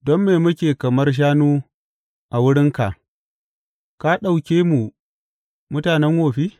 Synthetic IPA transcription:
dɔ˦mːeː˨mʊ˦kʲeː˨kɐ˨mɐ˦rʃ̬aː˦nuː˦ | ʔa˨wʊ˦ɽɪ˦ŋka˨ʔ | ka˦ɗa˨wkʲeː˦mu˨ | mʊ˦taː˨nɛ˦ŋhoː˨ɸiː˦

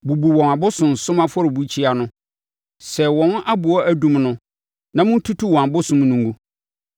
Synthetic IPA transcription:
bu˨bu˨wɔ̃˨na˨bʊ˦sʊ̃˨n̩˨sʊ̃˦mã˦fɔ˦ɾɪ˨bu˦t͡ɕʰi˦a˨nʊ̃˦ | sɛ˨wɔ̃˨n˦ʔa˦bʊ˨ɔ˦æ˦dũ˦mnʊ̃˦ | nã˨mʊ̃˦n̩˦tʰu˦tʰu˦wɔ̃˨a˨bʊ˦sʊ̃˨m˦nũ˨ŋɡu˦

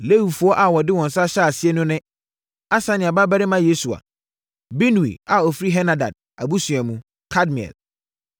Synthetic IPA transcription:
le˦wi˨fu˨˦ɔ˦ʔa˨wɔ˨dɪ˦wɔ̃˨n˨sa˦ɕa˦a˨sɪ˦ɛ˦nʊ̃˦nɪ̃˦ | a˦sã˦nɪ̃˨a˨ba˦ba˦ɾɪ˦mã˦je˦su˨a̰˨ | be˦n˨ḭ˨a˨ɔ˨fi˦ɾi˦ɦɛ˦na˨da̰˨d̚ | a˨bu˦sɥ̃a˨mũ˨ | kʰa˦dmĩ˨ɛ̰˨l

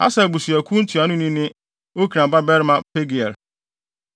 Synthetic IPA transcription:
a̰˦sa˨bu˨su˨æ˨kʷʰũ˦n̩˦tʰu˨a˨nʊ̃˦nĩ˦nɪ̃˦ | o˦kʰi˨ɾã˨ba˦bɛ˦ɾɪ˦mã˦pʰe˦ɡi˨ɛ˨ɾ

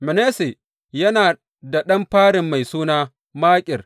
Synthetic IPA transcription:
mɛ˨neː˦se˨ | jɐ˦naː˨ | da˨ɗɐ˦mɸaː˦ɽɪ˨mːa˨jsuː˦naː˦ | maː˦kʲʼɪ˨r

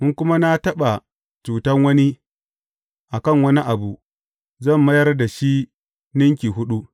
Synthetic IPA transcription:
mʊ˦ŋkʷʊ˦ma˦na˦tɐ˦ɓa˨ | t͡ʃuː˨tɐ˦ŋwɐ˦ni˦ | ʔa˨kɐ˦˨ŋwɐ˦ni˦ʔa˨bu˨ | zɐ˦˨mːɐ˦jɐ˦rda˨ʃi˦ | nɪ˦ŋk̬ʲi˨ɦʊ˦ɗu˦

